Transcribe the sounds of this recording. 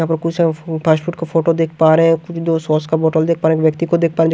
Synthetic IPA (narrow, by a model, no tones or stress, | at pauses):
apɔɾkusepʰaʃfuʈkefoʈod̪ekʰpaɾẽkud̪osɔskaboʈold̪ek̚ʰpaɾẽkbek̚t̪ikod̪ek̚ʰpaɾed͡ʒ